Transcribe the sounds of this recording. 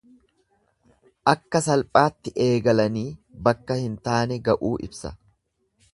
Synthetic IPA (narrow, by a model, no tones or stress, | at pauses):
ʔɐkːɐsɐlpʼaːt̪ːɪʔe̞ːɡɐlɐniːbɐkːɐhɪnt̪aːnɛɡɐʔuːʔɪ̰bsɐ̰